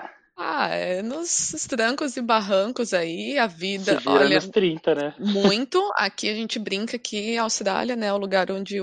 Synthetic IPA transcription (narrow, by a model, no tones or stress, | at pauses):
aɛ̰nʊsst̪ɾɐ̃ŋkʊzɪbaɦɐ̃ŋkʊzaiɐvid̪ɐvɔ̰ʎɐɐst̪ɾĩnt̪ɐnɛmmũj̃t̪ʊa̰kiaʒẽnt͡ʃɪbɾĩŋkɐkʰiɐawst̪ɾa̰liɐnɛʊluɡaɾõd͡ʒɪ